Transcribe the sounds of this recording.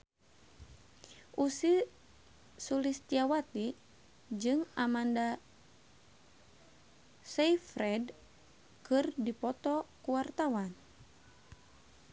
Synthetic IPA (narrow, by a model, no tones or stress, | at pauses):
ʔusi | sulist̪iawat̪i | d͡ʒɨŋamanda | sɛifɾɛd | kɨrdipɔt̪ɔkuwart̪awan